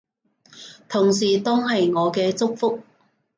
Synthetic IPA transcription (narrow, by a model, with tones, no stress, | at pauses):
t̪ʰʊ˨˩ŋsiː˨˩t̪ɔː˥ŋɦɐ˨jŋɔː˨˧kɛː˧t͡sʊ˥k̚fʊ˥k̚